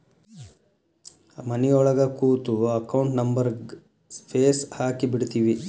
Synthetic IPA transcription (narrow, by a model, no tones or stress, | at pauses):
mɐnɛjɔɭɐɡɐkuːt̪uɐkɐwuɳʈnɐmbɐɾɡ | pʰeːshaːkibiɽt̪iːʋi